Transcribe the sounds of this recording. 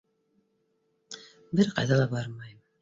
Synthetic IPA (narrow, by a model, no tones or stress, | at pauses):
bɘɾqɑ̰jðɑlˠɑbɑɾmɑjm